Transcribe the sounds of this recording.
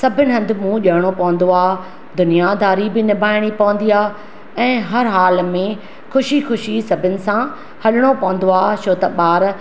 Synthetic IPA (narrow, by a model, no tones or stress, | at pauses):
sɐbʱɪnɪ̆ɦɐ̃nd̪ɪmũːʄɐɦɪɽ̃opɐʋə̃nd̪oaː | d̪ʊnijad̪aːɾibɪnɪbʱaːɪɽ̃ipɐʋə̃nd̪iaː | ɛ̃ːɦɐɾɦaːlmẽ | xʊʃixʊʃisɐbʱɪnɪ̆sã | hɐɗɪɽ̃opɐʋə̃n̆d̪oaːt͡ʃʰoːt̪ɐɓaːɾ